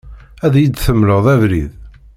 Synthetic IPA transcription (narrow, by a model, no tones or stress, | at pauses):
æðjid̪θəmːləʁðˤævɾḭð